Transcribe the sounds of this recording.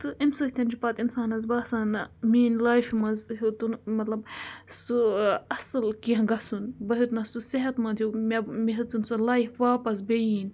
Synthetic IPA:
t̪ɨʔimsɨht̪ʲɐnd͡ʒipɐt̪insaːnɐzbaːsaːnɐmiːnlaːjfmɐzɦut̪unmɐt̪lɐb̚suɐsɨlkiɦɐ̃ɡɐsunbɐɦut̪nɐsusiɦɐt̪mɐnd̪ʲjumemiɦɨt͡sɨnsɨlaːjfʋaːpɐs̬bejiːn

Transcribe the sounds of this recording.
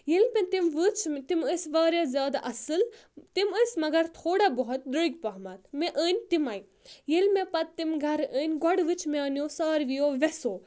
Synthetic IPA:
jelpẽt̪imʋɨt͡ʃʰt̪iməsʋaːɾjazjaːd̪aʔɐsɨlt̪iməsʲmɐɡɐɾt̪ʰoːɽabɔɦut̪̚d̪ɾuiɡpɐːɦmat̪meʔəːnʲt̪imaːi | jelmẽpɐt̪ːimɡʱɐɾəːnʲɡɔɽʋɨt͡ʃʰmeəːnjoːsɐːɾʋijoːʋɛsoː

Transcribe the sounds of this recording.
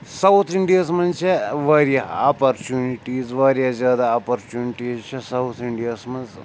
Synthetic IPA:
sɐwt̪ʰiɳɖijasmɐnt͡ʃeʋɐɾjaapɐɾt͡ʃuːniʈiːzʋɐɾjazʲjaːd̪aːpɐɾt͡ʃuːniʈizt͡ʃʰesɐwt̪ʰiɳɖijasmɐnz

